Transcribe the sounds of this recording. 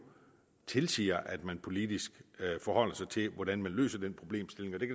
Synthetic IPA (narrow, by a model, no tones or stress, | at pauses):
t͡sʰe̝lsḭːɐʔæd̥mænpʰo̝lid̥isɡ̥fɒhɒ̽l̰ɐsɑ̈ɪt͡sʰe̝ʋɒd̥ænmænlø̰ːsɐd̥enpʰʁo̝b̥le̝̰ːmsd̥e̝le̝ŋɒ̽d̥e̝kʰæ